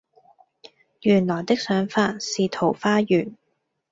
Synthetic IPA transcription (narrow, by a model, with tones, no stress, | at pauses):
jyː˨˩nlɔː˨˩jt̪ɪ˥k̚sœː˨˥ŋfaː˧t̚siː˨t̪ʰo˨˩wfaː˥jyː˨˩n